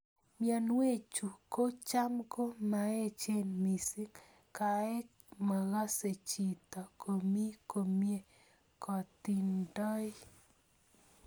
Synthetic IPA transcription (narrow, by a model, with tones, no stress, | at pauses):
mja˨nwe˦t͡ʃu˨ko˦t͡ʃa˦mko˦ma˨e˦t͡ʃe˦nmi˨si˦k | ka˨ɛ˦ | ma˨ɣa˦se˨t͡ʃi˨t̪ɔ˨kʰo˨mi˦ko˨mje˦ | kɔ˨t̪i˨ndɔ˦j